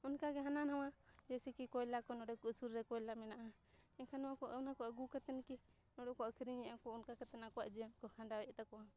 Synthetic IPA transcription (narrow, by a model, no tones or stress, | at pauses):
ɔnkaɡɛɦananɦawad͡ʒɛsɛkikɔjlakɔnɔɽɛkɔusuɾːɛkɔjlamɛnaʔa | ɛkʰanɔwakɔʔnakɔəɡukat̪ɛnki | nɔɽɛkɔəkʰɾiɲɛjakɔunkakat̪ɛnakɔwaʔd͡ʒiankɔkʰaɳɖawɛʔt̪akɔwa